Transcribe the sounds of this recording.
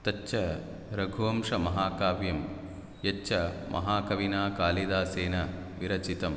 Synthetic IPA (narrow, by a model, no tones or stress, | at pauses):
t̪ɐt͡ʃːʃʰɐ | ɾɐɡʱuʋɐmʂɐmɐɦaːkaːʋjɐm | jɐʃɐmʔɐ̰ɦaːkɐʋinaːkaːlid̪aːseːnɐ | ʋiɾɐt͡ʃit̪ɐm